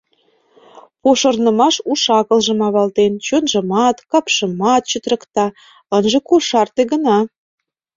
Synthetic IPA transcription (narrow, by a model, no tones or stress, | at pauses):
poʃərnə̆mɑʃuʃɑkə̆lʒə̆mɑβɑlt̪ent͡ɕonʒə̆mɑt̪kɑpʃə̆mɑt̪̚t͡ɕət̪rə̆kt̪ɑ | ənʒekoʃɑrt̪eɣənɑ